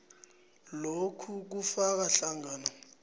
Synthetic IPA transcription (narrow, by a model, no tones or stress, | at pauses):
lokʰuk̬ufak̬aɬaŋaːnɔ